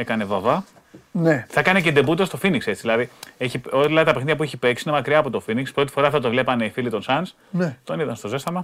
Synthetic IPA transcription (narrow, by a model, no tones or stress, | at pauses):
ekɐnevɐvɐ | neθɐkɐnece̞d̪e̞but̪ost̪o̞finikse̞t͡siðilɐðieçiolɐt̪ɐpexniðʝɐp̬ueçipeksiine̞mɐkɾiɐːpot̪o̞finikspɾot̪i̥fo̞ɾɐfðɐt̪ovle̞pɐne̞ifilit̪o̞nsɐns | net̪o̞niðɐnst̪o̞ze̞st̪ɐmɐ